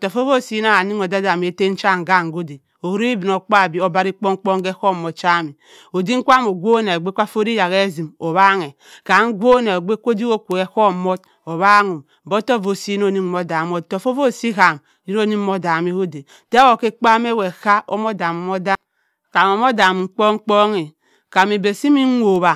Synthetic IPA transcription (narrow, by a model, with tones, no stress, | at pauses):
to˨fo˦vo˦˨si˦na˦ha˨ni˦ŋo˨da˦da˨m˨e˦te˦n̩˦t͡ʃa˦˨ŋ̩˨ɡa˦˨ŋ˨ɡo˦de˨ | o˨˦ɾi˦i˦bi˨no˨k͡pa˦˨bi˨˦o˨ba˦ɾi˦k͡po˦ŋ˦k͡po˦ŋ˦ɡe˦ko˦m˨mo˨t̚t͡ʃa˦mi˨ | o˨di˦ŋ̩˦kʷa˦mo˨ɡʷo˦ne˨o˨ɡ͡be˦kʷa˦fo˦ɾi˦ja˨ɣe˦zi˨mo˨βa˦ŋe˨ | ka˨ŋ̩˦ɡʷo˦ne˨o˨ɡ͡be˦kʷo˦di˦ko˦kʷo˨e˨ko˦˨mo˦t̚ | o˨βa˦ŋu˨m | m̩˨bo˦to˦˨vo˨si˦i˦no˦ni˦o˦da˨mo˦tto˨fo˦vo˦˨si˦ka˨m | ji˦no˦˨ni˦mo˦da˨mi˦ho˦de˨ | te˦o˨ke˦k͡pa˦me˦we˨ka˦o˦mo˦da˨mo˨mo˦da˦ | ka˨mo˨mo˦da˨m˨ŋ͡m̩˦k͡po˦ŋ͡m̩˦k͡po˦ŋi˨ | ka˨mi˨be˨si˦mi˦o˨βa˨